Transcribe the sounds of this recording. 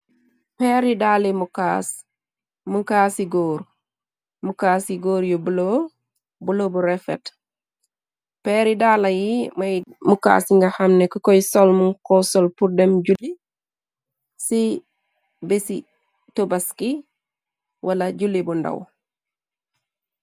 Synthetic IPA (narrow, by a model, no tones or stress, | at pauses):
peɾidalimukas | muŋkasiɡoːɾ | mukaːsiɡoːɾjubulo | bulobuɾefḛt | peːɾidalɐjimajmuka̰ːsiŋɡahamnekukojsolmuŋkosolpuɾdemɟuli | si | besi | tobaski | wʔalaɟulibunda̰w